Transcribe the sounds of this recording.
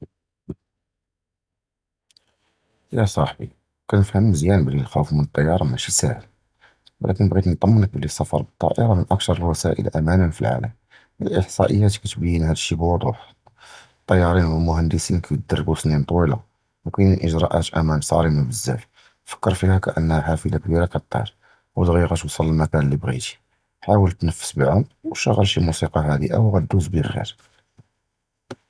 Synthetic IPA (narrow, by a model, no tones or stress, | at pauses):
jæsˤɑħbḭ | kænəfhəmːəzjænbəlilxæwfmənət̪ˤːɑjːɑɾˤɑmæʃisæhəl | wə̰lʔæ̰kənbɣit̪nt̪ˤɑmːənək̚bəlːisˤɑfɑ̰ɾˤbət̪ˤːɑ̰ʔəɾˤɑmənʔək̚t̪ɑɾˤəlwæsæ̰ʔə̰lʔæmænənfḭlʕa̰ləm | əʔəħsˤɑ̰ʔəjːæt̪kæt̪bəjːənhæd̪əʃːibwɑd̪ˤuħ | t̪ˤːɑjːɑɾˤinwəlmʊhænd̪əsinkæj̪̚d̪ɑrˤːbusnint̪ˤwila̰ | wkininʔəʒɾˤɑʔæt̪ʔæmænsˤɑ̰ɾiməbəzːæ̰f | fə̥kːəɾˤfihækæʔənːhæħafəlakbiɾakæt̪ˤːɑ̰ɾˤ | wd̪ɣiɣæt̪wsˤəlːəlmækænlːibɣḭt̪i̥ | ħawəlt̪nəfːə̥sbəʕʊmwʃəɣːəlʃilmusiqɑɦæd̪ḭʔæ̰wɣæd̪ːuzbəlxḭɾ